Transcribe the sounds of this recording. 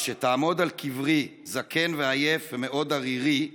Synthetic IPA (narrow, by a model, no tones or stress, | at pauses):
ʃet̪aːmo̞d̪alkʰivʁizakʰe̞nveaje̞feme̞ʔo̞d̪aʁiʁi